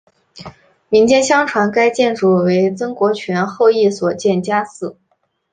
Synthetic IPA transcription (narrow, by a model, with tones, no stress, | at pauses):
mi˧˥ŋt͡ɕjɛ˥˧nɕjɑ˥ŋʈ͡ʂʰwa˧˥nka˥ɪt͡ɕjɛ˥˩nʈ͡ʂu˥˩we˧˥ɪt͡sɤ˥ŋkwɔ˧˥t͡ɕʰɥɛ˧˥nxo˥˧ʊi˥˩swɔ˨˩t͡ɕjɛ˥˩nt͡ɕja˥sɹ̩˥˩